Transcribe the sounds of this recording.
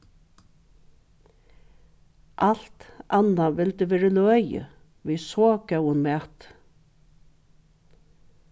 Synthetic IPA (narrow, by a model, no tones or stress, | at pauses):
ʔal̥t̪anaʋɪlt̪əʋeːɾəlœœːjə̰ | ʋiːsoːkœwənmɛːt̪